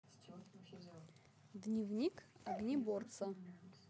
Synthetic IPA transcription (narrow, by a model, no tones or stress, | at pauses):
d̪nʲivnʲikaɡnʲibort̪sɐ